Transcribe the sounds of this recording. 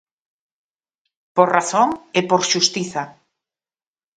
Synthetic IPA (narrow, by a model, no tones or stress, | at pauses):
poɾraθoŋepoɾʃust̪iθa